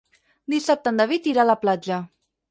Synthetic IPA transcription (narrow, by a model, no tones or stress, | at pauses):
d̪isap̚t̪ənd̪aβit̪iɾaləplad͡ʒə